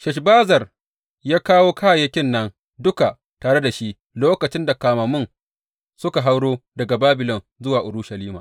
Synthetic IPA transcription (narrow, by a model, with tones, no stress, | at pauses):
ʃɐ˨ʃ̬baː˦zɐ˨r | jaː˦kaː˦woː˦kaː˦˨jɐ˦kʲɪ˦nːɐ˦n | dʊ˦ka˨ | taː˨ɽe˦da˨ʃi˦ʔ | loː˦kɐ˨t͡ʃɪ˦nda˨kaː˨mɐ˨mʊ˦˨n | sʊ˦ka˨ɦa˦wɽoː˦dɐ˨ɡa˨baː˦bɪ˨lɔ˨n | zʊ˦waː˨ʔʊ˨ɾʊ˦ʃa˨liː˦maː˨